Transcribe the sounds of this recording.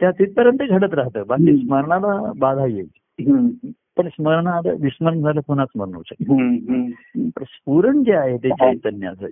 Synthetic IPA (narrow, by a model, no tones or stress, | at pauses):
t̪jat̪it̪̚pəɾjənt̪əɡʱəɽət̪̬ɾaɦt̪əːbakiːsməɾɳalabad̪ʱaje | pəɳsməɾɳad̪ə̰ʋisməɾəɳd͡zʱaləponat͡sməɾɳə̰wt͡sə | pəɾspuɾəɳkaaɦet̪et͡ɕait̪ənːja̰sə̰